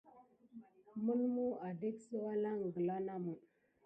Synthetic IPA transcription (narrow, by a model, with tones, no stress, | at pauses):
mə˦lmu˦a˨di˦ksə˦wa˦la˦ŋ˨ɡə˨la˦na˦mu˨